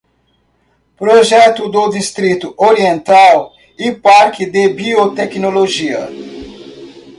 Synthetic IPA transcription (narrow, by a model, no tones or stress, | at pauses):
pɾoʒɛt̪ʊd̪od̪ist̪ɾit̪ʊʔoɾiẽnt̪aw | ɪpaɾkɪd̪ebiot̪ɛknoloʒiɐ̰